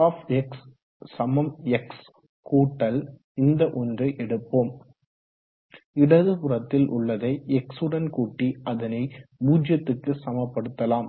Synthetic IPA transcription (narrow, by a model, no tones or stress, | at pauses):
aːfɛksː | ɐmɐmɛks | kuːʈːɐl | ɪnd̪ɐʔɔndrɐʔɛɽɯpːoːm | ɪɽɐðɯpʊɾɐt̪ːɪlʔʊ̰ɭːɐðɐɪɛksɯɽɐnkuːʈːiʔɐðɐnɐɪbuːd͡ʒjɐt̪ːɯkːɯsɐmɐpːɐɽɯt̪ːɐlaːm